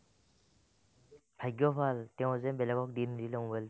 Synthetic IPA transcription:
bʱajɡjɔpʰaltɛʊ̃zɛbɛlɛɡɔk̚dindilɔŋbɛl

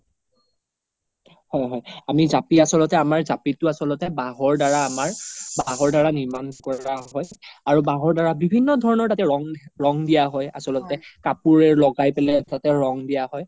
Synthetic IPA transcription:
hɔjɦɔjamizapiasɔlɔtɛamaɹzapitʊasɔlɔtɛbaɦɔɹdaɹaːmaɹbaɦɔɹdaɹaniɹmankɔaɦɔjaɹubaɦɔɹdaɹabibʱinːɔdʱɔɹɔnɔɹtatɛɹɔŋɹɔŋdijaɦɔja̰sɔlɔtɛkapuɹɛɹlɔɡajpɛlɛtatɛɹɔŋdijaɦɔj

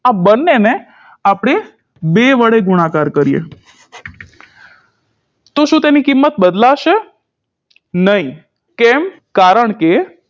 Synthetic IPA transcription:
abənːene | apɽ̃e | beʋəɽeɡuɽ̃akaɾkəɾijḛ | t̪oʃũt̪enikimːət̪̚bəd̪laʃe | nəɦĩ | kɛm | kaɾəɳke

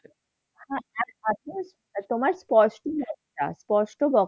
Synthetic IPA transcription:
hãaat̪os | t̪omaɾspɔʃʈobɔkta̰spɔʃʈobɔ

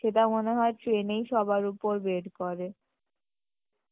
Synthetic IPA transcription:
ʃet̪amoneɦɔeʈɾenejʃɔbaɾupoɾbeɖkoɾe

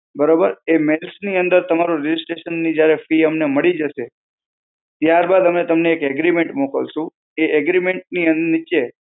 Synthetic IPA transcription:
bəɾobəɾemelsniənd̪əɾt̪əmaɾuɾɪd͡ʒɪsʈɾeʃənːid͡ʒjaɾefiəmneməɭid͡ʒəʃe | t̪jaɾbad̪əmnet̪əmneːkɛɡɾimeɳʈmukə̰lʃũ | eʔɛɡɾimeɳʈ̚niənnit͡ʃe

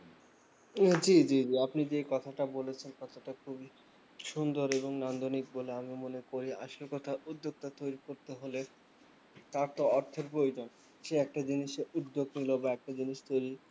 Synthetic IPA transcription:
d͡ʑid͡ʑid͡ʑiapnid͡ʑekɔt̪ʰaʈabolet͡ɕʰenkɔt̪ʰoʈakʰubi | ʃund̪oɾeβoŋnand̪ʱonik̚boleamimonekoɾia̰ʃaɾkɔt̪ʰaʔud̪ːoɡ̚t̪at̪ojɾikoɾt̪eɦole | t̪aɾt̪oɔɾt̪ʰːoɾpɾojd͡ʑon | ʃeɛk̚ʈad͡ʑiniʃeud̪ːoɡnilobaɛk̚ʈad͡ʑiniʃt̪ojɾi

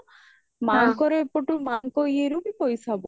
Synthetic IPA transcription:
maŋkɔɾepɔʈumaŋkɔjeɾubipɔjsabɔ

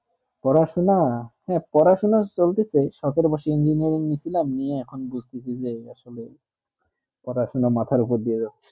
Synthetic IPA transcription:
pɔɾaʃonahɛ̃pɔɾaʃonat͡ɕolt̪et͡ɕʰaʃɔkeɾbɔʃeind͡ʑiniaɾiŋnit͡ɕʰilaminieɛkʰonbud͡ʑʱt̪et͡ɕʰid͡ʑea̰ʃole | pɔɾaʃonamat̪ʰaɾupoɾd̪ied͡ʑatːɕʰe̥

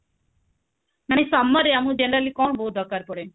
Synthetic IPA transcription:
manesamːaɾeamũd͡ʒenəɾalikɔɳboɦut̪̚ɔkːaɾpɔɽe

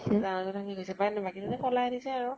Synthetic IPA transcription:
zanɔtutʰakiɡojsɛbajnɛbakitutɛkɔlajatisɛaɹu

